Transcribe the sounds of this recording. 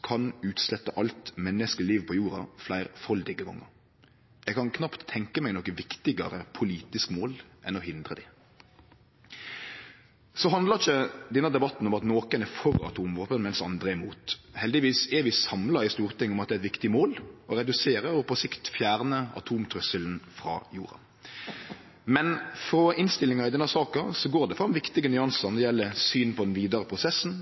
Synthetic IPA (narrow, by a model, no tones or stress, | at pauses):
kʰɑnʉːt̪slɛt̪ːəʔɑlt̪mɛnːəskəliːʋpʰɔjuːɾɑflæɪʁfɔld̪ɪɡəɡɔ̰ŋːə̰ɾ | jæɛɡkʰɑnkʰnɑpt̪ʰːɛŋkəmæɪnɔkəʋɪkt̪ɪɡɑɾəpʰʊliːt̪ɪskmoːlʔɛnɔhɪnd̪ʁəd̪ɪ | sɔɦɑnd̪ləçəd̪ɛnːəd̪ɛbɑt̪ːn̩ɔmɑt̪noːkənæfɔɾɑ̰t̪ʰuːmʋoːpənmɛnsɑnd̪ʁəɪmuːt̪hɛld̪ɪʋiːsɛɾʋɪsɑmlɑɪst̪uːʁt̪ɪŋːəɔmɑt̪d̪ɛːɛt̪ʋɪkt̪ɪmoːlɔɾɛd̪ʉseːɾəɔpʰɔsɪkt̪fjæːʁnəɑ̰t̪ʰuːmt̪ʰɾœsəln̩fʁɑ̰ːjuːɾɑ̰ | mɛnfɾɔʔɪnst̪ɪlːɪŋɑɪd̪ɛnːɑsɑːkɑsɔɡoːʁd̪ɛfʁɑmʋɪkt̪ɪɡənʏɑnsɑnɔd̪ɛjɛlːəsyːnpʰɔd̪ɛnʋiːd̪ɑʁəpʰʁʊsɛsn̩